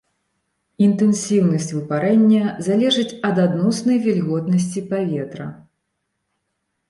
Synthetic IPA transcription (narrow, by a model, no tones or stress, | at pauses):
int̪ɛnsʲiwnɐsʲt͡sʲvɨpaɾɛnʲːɐzalʲɛʐɨt͡sʲɐd̪ad̪nɔsnɐjvʲɛlʲɣɔt̪nɐs̬ʲt͡sʲipavʲɛt̪ɾɐ̰